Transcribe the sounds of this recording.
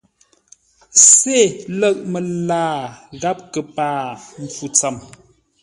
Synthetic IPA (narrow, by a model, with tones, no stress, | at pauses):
se˦˨lə˦˨ʔ̚mə˨laː˦ɣa˦p̚kə˨paː˦m̩˨fu˨t͡sa˨m